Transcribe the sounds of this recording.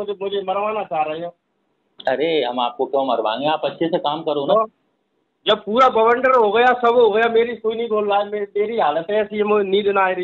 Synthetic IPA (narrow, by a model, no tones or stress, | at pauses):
ʊd͡ʒmʊd͡ʒʱemɐɾʋaːnat͡ʃaːɾɐeɦoː | ɐɾeɦɐmaːp̚kokjõːmɐɾʋã̰ːŋɡeaːpɐtːʃʰesekaːmkɐɾonaa | d͡ʒɐb̚puːɾabɐʋəɳɖəɾɦoːɡɐjasɐbɦoɡɐjameːɾikoːinɐɦĩkʰoːllaːememeːɾiɦaːlət̪ɦɛɛsiemʊnĩːd̪naːeɾ